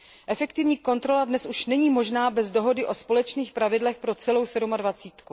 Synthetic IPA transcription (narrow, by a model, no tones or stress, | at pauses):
ʔɛfɛkt̪ɪvɲiːko̞nt̪ɾo̞ladnɛsʔuʃnɛɲiːmo̞ʒnaːbɛzdo̞ɦo̞dɪʔo̞spo̞lɛt͡ʃniːxpɾavɪdlɛxpɾo̞t͡sɛlo̞wsɛdumadvat͡siːt̪ku